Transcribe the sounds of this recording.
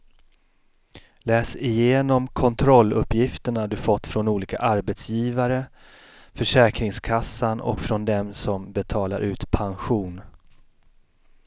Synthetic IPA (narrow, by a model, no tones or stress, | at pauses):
lɛːsɪjeːnɔmkʰɔnt̪ʰɾɔlːɵpːjɪft̪əɳad̪ɵfɔt̪ːfɾɔnuːliːka̰ʔaɾbɛt̪sjiːvaɾə | fœʂɛːkɾɪŋskʰasːanɔ̰kfɾɔnd̪ɛmsɔmbɛt̪ʰɑːlaɾʔʉ̟ːt̪pʰanɧuːn